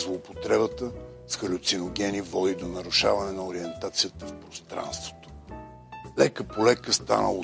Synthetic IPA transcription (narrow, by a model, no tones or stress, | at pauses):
zlˠoːpot̪ɾɛbət̪ə | sxəlʲʊt̪sinoɡ̟ɛnivɔd̪id̪onɐɾʊʃa̰vɐnɛnɐoɾiɛnt̪at̪sijət̪əfpɾost̪ɾa̰nst̪vo̥t̪o̥ | lɛkəpolɛkəst̪a̰nə̰lˠə